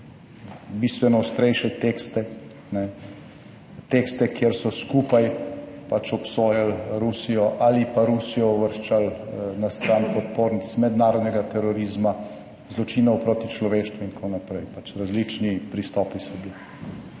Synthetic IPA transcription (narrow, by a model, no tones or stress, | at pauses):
biːst̪ʋɛnɔwst̪ɾɛjʃɛt̪eːkst̪ɛ | nɛ | t̪ekst̪ɛkjeɾsɔskuːpajpat͡ʃɔpsoːjalɾusijɔʔalipaɾusijɔɔʋəɾʃt͡ʃalnast̪ɾanpɔt̪̚poːɾnit̪t͡ssmɛd̪naːɾɔd̪nɛɡat̪ɛɾɔɾiːzma | zlɔt͡ʃiːnɔwpɾoːt̪it͡ʃlɔʋeːʃt̪ʋuint̪kʰonapɾɛjpat͡ʃɾazlit͡ʃnipɾist̪ɔːpisɔbli